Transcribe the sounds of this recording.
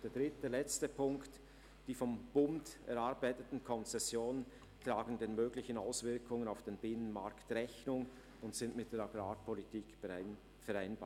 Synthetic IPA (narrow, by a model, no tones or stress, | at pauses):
d̥eːɐd̥ʁɪt̚deːlɛt͡stəpʰʊŋkt | d̥iːfɔmb̥ʊmdɛ̰ɾaɐbaɪtətn̩kʰɔnt͡sɛsjoːnən | tlaːɡən̩deːnmøːɡlɪçənaʊsvɪɐkʰʊŋənaʊfd̥eːnbɪnənmaɾktʁɛçnʊŋ | ʊntsɪntmɪt̚d̥eːɾaɡɾaːpʰɔlitʰiːk | fɛɾaɪnbaː